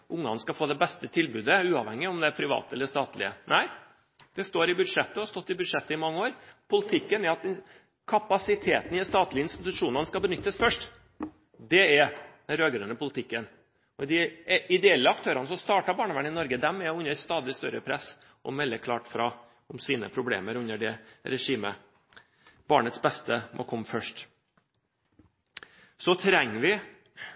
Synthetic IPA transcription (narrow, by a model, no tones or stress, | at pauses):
ʔʊŋːɑ̰nəskɑfoːd̪ɛbɛst̪ət̪ʰɪlbʉːd̪əʉːɑʋhɛŋːɪɔmd̪ɛæɾpʰɾɪʋɑ̰ːt̪əɛləʂt̪ɑːt̪lɪ̰ənæɪ | d̪̥ɛst̪oːɾɪbʉd̪ʂɛt̪ːəɔɑɾst̪ɔt̪ːɪbʉd̪ʂɛt̪ːəɪmɑŋːəoːɾpʰʊlɪt̪ʰɪkːənæɾɑt̪̚ | kʰɑpɑsɪt̪ʰḛːt̪n̩ɪst̪ɑːt̪lɪəɪnst̪ɪt̪ʉʂuːnɑnskɑbənʏt̪ːəsfœʂʈ | d̪ɛɛɾd̪ɛɾøːɡɾʉnəpʊlt̪ʰɪkːən | ɔd̪ɪɪd̪ɛɛlːəɑkt̪ʰøːɾɑnəsɔmst̪ɑːʈɑbɑːɳəʋæɳɪnɔɾɡəd̪ɛmːɛɔʉnəst̪ɑːd̪ɪst̪œɾəpʰɾɛs | ʔɔ̰mɛlːəkʰlɑːʈfɾɑ | ʊmsiːnə̰pʰɾʊblḛːməɾʉnːəɖɛɾɛʂiːmə̰ | b̥ɑːɳət̪sbɛst̪əmʔɔ̰kʰɔmːfœʂʈ | sɔt̪ʰɾɛŋːʋɪ